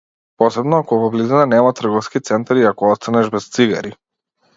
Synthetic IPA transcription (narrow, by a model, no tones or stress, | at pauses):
pɔsɛbnɔakɔvɔblizinanɛmat̪r̩ɡɔfskit̪sɛnt̪aɾiakɔɔst̪anɛʒbɛst̪siɡa̰ɾi